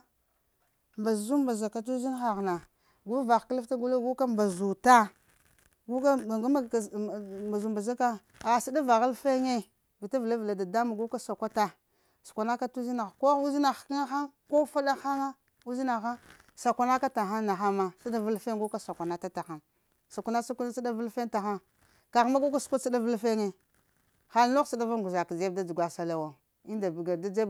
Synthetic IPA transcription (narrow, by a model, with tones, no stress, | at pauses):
mba˨zu˦mba˨za˨ka˨t̬u˦zi˦n˦xa˨ɣna˨ | ɡu˦va˨xklfta˦ɡu˦lo˦ɡu˦ka˦mba˨zu˨ta˦ | ɡu˦ka˦˨ɡa˦˨ma˨zu˨mba˨za˦ka˦ | a˨sa˦da˦va˨ɣa˦lfe˦ŋe˦ | vi˨ta˦vla˦vla˨da˨da˦ma˨ɡu˦ka˦sa˨kʷa˦ta˦ | su̥˨kʷa˨na˦ka˦tu˦zi˦na˨xko˦u˦zi˦na˨xkŋa˦xa˦ŋko˦fa˦da˦xa˦ŋa˦ | u˦zi˦na˨xa˦ | sa˨kʷa˨na˦ka˦ta˨xa˦nna˨xa˦ma˦sa˦da˦vu˦lfe˦ŋ˦ɡu˦ka˦sa˨kʷa˨na˦ta˦ta˨xa˦n | sa˨kʷu˦na˦sa˦kn˦sa˦da˦vu˦lfe˦nta˨xa˦ | ka˨ɣma˦ɡo˦ka˦skʷa˦sa˦da˦və˦lfe˦ŋe˨ | xa˦lno˦sa˨da˦va˦˨ɡu˨za˨kd͡ʒe˦bda˦d͡ʒu˨ɡʷa˨sa˨la˨wa˨ | i˦nda˨bi˨ɡa˨da˦d͡ʒe˦b